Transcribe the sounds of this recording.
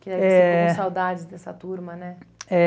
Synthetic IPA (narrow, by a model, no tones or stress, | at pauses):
kɪd̪ɛɛẽsawd̪ad͡ʒɪzd̪ɛsɐt̪uɾmɐnɛɛ